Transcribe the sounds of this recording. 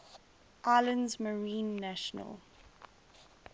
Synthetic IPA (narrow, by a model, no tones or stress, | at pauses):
ʔaɪlə̃ndzməɹĩːnːæʃənə̰lˠ